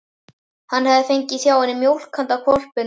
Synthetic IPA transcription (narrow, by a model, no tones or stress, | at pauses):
hanːhɛvðɪfejɲcɪθjaːwanːɪmjowl̥kʰant̪akʰɔl̥pɪn